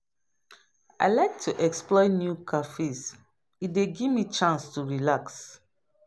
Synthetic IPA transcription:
a̰ɪlaɪk̚tʰuʔɛksplɔɪnjukʰafes | ideɡivmit͡ʃãnstuɹilaks

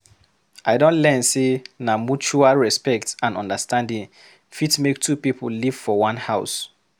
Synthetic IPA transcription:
ʔaɪdõntlɛ̃nsenamut͡ʃualɹɛspɛktãnɔ̃ndəstãndĩŋ | fitmektʰupipʰlliv̥fɔwãnhaʊs

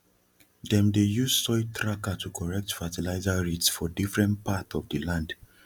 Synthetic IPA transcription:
dɛ̃mdejussɔɪtʰɹakatʰukʰɔɹɛk̚tfatilaɪzaɹetsfɔdifɹɛ̃npatɔvdəlãnd

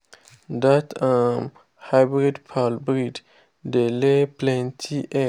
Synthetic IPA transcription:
datãm | hajbɾidpʰalbɾid | deleplɛ̃ntʰiʔɛ

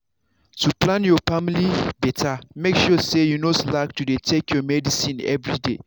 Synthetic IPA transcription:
tʰuplãnjɔfamilibɛtʰamekʃɔsejunoslaktudetʰekjɔmɛdisĩnɛ̰vɹidḛ

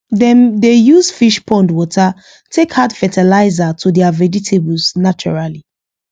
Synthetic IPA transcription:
dɛ̃ndejuzfiʃpɔ̃ndwɔtʰa | tʰekhadfɛtʰɛlaɪzatʰudɛavɛd͡ʒitʰebulsnat͡ʃɔ̰ɹali

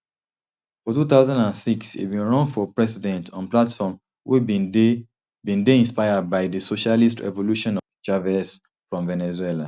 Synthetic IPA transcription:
fɔtut̪aʊzãndãnsiksḭbĩnɹɔ̃nfɔpɹɛsidɛ̃ntʰɔ̃nplatfɔm | wʔe | bĩndeĩnspaɪad̚baɪðəsoʃalistɹɛ̰voluʃɔ̃nɔvd͡ʒavɛs | fɹɔ̃mvɛnɛzwɛla

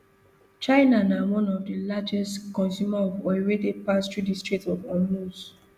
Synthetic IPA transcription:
t͡ʃaɪnanawɔ̃nɔvdilad͡ʒɛstkɔ̃nsjumaɔvwɛwedepastɹudistɹik̚tɔvɔ̃nlus

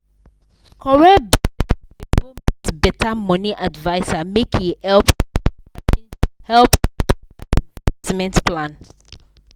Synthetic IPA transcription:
kʰɔɹɛb | bũmtbɛtʰamɔniʔadvaɪsamekʰjuhɛlp | hɛlp | timɛ̃ntplãn

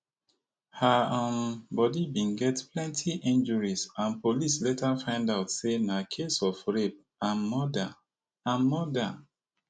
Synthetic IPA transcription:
haãnbɔdibĩnɡɛtplɛ̃ntʰiʔĩnd͡ʒəɹisãnpolis̬letʰafãɪ̃ndaʊtsenakʰesɔfɹep | ãnmɔda | ãnmɔda

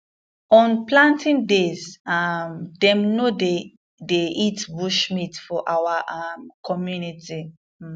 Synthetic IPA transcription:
ɔ̃nplãntĩndezamdɛ̃mnode | deitbuʃmitfɔʔawaʔamkɔmjunitʰi

